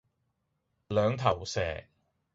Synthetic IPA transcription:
lœː˨˧ŋt̪ʰɐ˨˩wsɛː˨˩

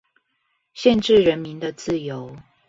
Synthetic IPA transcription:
ɕjɛ˥˧nʈ͡ʂɻ̩˥˨ɻə˨˦nmi˨˦nd̪ə˨t͡sɹ̩˥˨jo˨˦ʊ

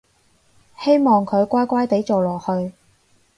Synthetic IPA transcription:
he˥jmɔː˨˩ŋkʰɵ˨˧ɥkʷaː˥jkʷaː˥jt̪e˨˥jt͡so˨wlɔː˨˩k̚hɵ˧ɥ

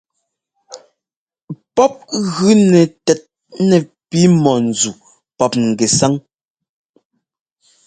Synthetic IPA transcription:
pɔ˦p̚ɣʉ˦nɛ˨tɛ˨t̚ | nɛ˨pi˨˦mɔ˨n̩˨d͡zu˨ | pɔ˦p̚ŋ̩˨ɡɛ˨sa˦ŋ

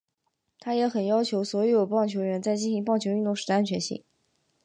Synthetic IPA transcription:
t̪ʰa˥jɛ˧˥xə˨˩njɑ˥ʊt͡ɕʰjo˧˥ʊswɔ˧˥jjo˨˩ʊpɑ˥˩ŋt͡ɕʰjo˧˥ʊɻə˧˥nt͡sa˥˧ɪt͡ɕi˥nɕi˧˥ŋpɑ˥˩ŋt͡ɕʰjy˥˧nt̪ʊ˥˩ŋʂɻ̩˧˥a˥nt͡ɕʰɥɛ˧˥nɕḭ˥˩ŋ

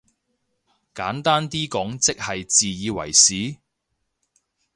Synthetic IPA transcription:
kaː˨˥nt̪aː˥nt̪iː˥kɔː˨˥ŋt͡sɪ˥k̚hɐ˨jt͡siː˨jiː˨˧wɐ̰˨˩jsiː˨˥

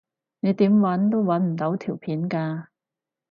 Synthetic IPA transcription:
ne˨˧jt̪iː˨˥mwɐ˨˥nt̪o˥wwɐ˨˥nm̩˨˩t̪o˨˧˥wt̪ʰiː˨˩wpʰiː˨˥nkaː˧

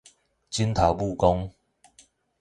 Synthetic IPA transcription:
t͡ɕi˦nt̪ʰa˨˩wbu˥˧kɔ˦ŋ

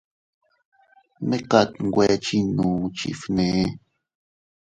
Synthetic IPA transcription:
me˦ka˦˨t̪ŋɡʷe˧˦t͡ʃi˦nũ˨˦t͡ʃḭ˦fne˨˦

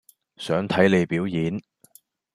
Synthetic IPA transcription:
sœː˨˥ŋt̪ʰɐ˨˥jne˨˧jpiː˨˥wjiː˨˥n

